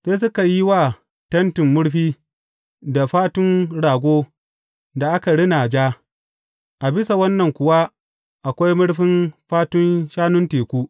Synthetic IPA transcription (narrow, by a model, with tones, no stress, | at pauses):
seː˦s̬ʊ˦ka˨ji˦waː˦˨ | tɐ˦ntɪ˨mːʊ˦ɽɸiː˦ | da˨ɸaː˦tʊ˦nɽaː˨ɡʷoː˦ | da˨ʔa˦ka˨ɽɪ˦naː˨d͡ʒaː˦ | ʔa˨bɪ˦sa˨wɐ˦nːɐ˨ŋkʷʊ˨wa˦ | ʔa˨kʷa˦jmʊ˦ɽɸɪ˦nɸaː˦tʊ˦nʃaː˦nʊ˦nteː˨kʷuː˦